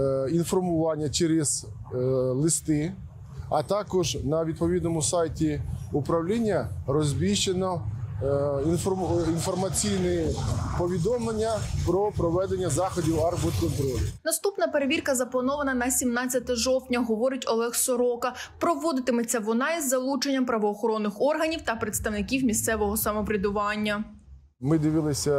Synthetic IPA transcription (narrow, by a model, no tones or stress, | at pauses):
infɔrmʊʋɑnʲːɐt͡ʃeɾɪz̥ | lˠɪst̪ɪ | ɐt̪ɑkɔʒnɐʋʲid̪̚pɔʋʲid̪nɔmʊsɑjtʲiʊpɾɐwlʲinʲːɐɾɔzʲbʲiʃt͡ʃenɔ | infɔinfɔrmɐt͡sʲijnepɔʋʲid̪ɔmlˠenʲːɐpɾɔpɾɔʋɛd̪enʲːɐzɑxɔdʲiwɑrpɔd̪kɔnt̪ɾɔlʲʊnɐst̪upnɐpeɾeʋʲirkɐzɐplˠɐnɔʋɐnɐnɐsʲimnɑt͡sʲːɐt̪ɛʒɔwtʲnʲɐɦɔʋɔɾɪtʲɔlˠɛxsɔɾɔkɐpɾɔʋɔd̪ɪt̪ɪmet͡sʲːɐʋɔnɑizːɐlˠut͡ʃenʲːɐmpɾɐʋɔːxɔɾɔnːɪxɔrɦɐnʲiwt̪ɐpɾet̪st̪ɐwnɪkʲiwmʲist̪sɛʋɔɦɔsɐmɔpɾʲɪd̪ʊʋɑnʲːɐ | mɪd̪ɪʋilˠɪsʲɐ